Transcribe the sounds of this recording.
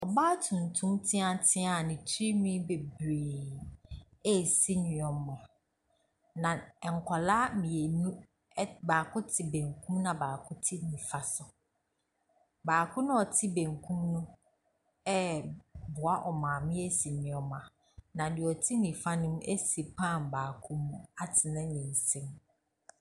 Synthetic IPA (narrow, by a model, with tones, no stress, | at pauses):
ɔ˨baː˦tʰũ˨n˨tʰũ˦mtʰɪ̃˦ã˦tʰɪ˦a˨nĩ˨tʰɾi˦mĩ˦be˨bɾeː˨ | e˦˨si˦nĩ˨ɔ̃˨mmã˨ | nã˨ɛ˨ŋ̩˨kʰɔ˨laː˦mĩ˨e˨nũ˦ | baː˨kʰʊ˦tʰɪ˨bẽ˨ŋkʰũ˦mnã˨baː˨kʰʊ˦tʰɪ˦nĩ˨fa˨sʊ˨ | baː˨kʰʊ̃˦nʊ̃˦ɔ˨tʰɪ˦bẽ˨ŋkʰũ˦mnũ˦ | ɛ˦bʊ˨a˦ʔɔ˨mãː˨mɪ̃˦e˦si˨ɲɪ̃˨ɔ̃˨mã˨ | nã˨dɪ˨ɔ˨tʰi˦nĩ˨fa˦nʊ̃˦m̃˦ʔe˦si˨pʰã˦˨mbaː˨kʰʊ̃˦mũ˦a˦tʰɪ˨nã˦ɲĩ˨n˨sĩ˦m